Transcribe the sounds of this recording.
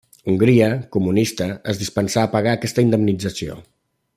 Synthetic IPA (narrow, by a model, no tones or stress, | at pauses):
uŋɡɾiəkumunist̪əəzðispənsaːpəɣaːkɛst̪əind̪əmnid͡zəsio̰